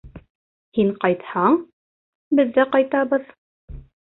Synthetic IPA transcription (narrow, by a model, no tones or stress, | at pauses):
hiɴqɑjt̪hɑɴ | bɘ̆ðːæqɑjt̪ɑβɤð